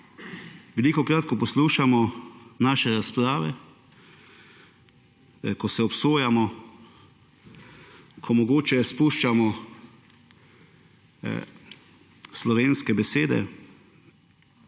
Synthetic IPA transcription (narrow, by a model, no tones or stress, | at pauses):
ʋɛliːkɔkɾaːt̪kɔpɔsluːʃamɔnaːʃɛɾaspɾaːʋɛ | kɔsɛɔpsoːjamɔ | kʰɔmɔɡoːt͡ʃɛspuʃt͡ʃamɔ | slɔʋeːnskɛbɛseːd̪ɛ̰